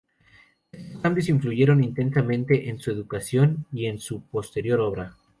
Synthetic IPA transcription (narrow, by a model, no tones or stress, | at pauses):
est̪oskambjo̞siɱfluʝe̞ɾo̞nint̪e̞nsamẽnt̪e̞ʔensue̞ðukasjo̞nie̞nsupo̞st̪e̞ɾjo̞ɾo̞β̞ɾa